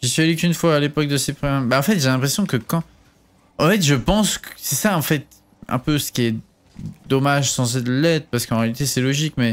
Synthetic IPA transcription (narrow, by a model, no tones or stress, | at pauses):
ʒ̥esɥiɛlykynfwaːlepɔk̚d̪əsepχɛ̃baɑ̃fɛt̪ʒelɛ̃pχesjɔ̃kəkɑ̃ | ɑ̃fɛt̪ʒəpɑ̃sksɛsaɑ̃fɛt̪ | ɛ̰̃pøsə̥kʲiɛ | d̪ɔmaʒsɑ̃s̬ed̪əlɛt̪χpaʁsə̥kɑ̃ʁealit̪esɛlɔʒikmɛ